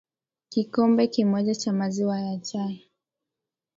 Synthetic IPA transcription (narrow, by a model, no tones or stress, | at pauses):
kikɔmbɛkimɔʄat͡ʃamaziwajat͡ʃaja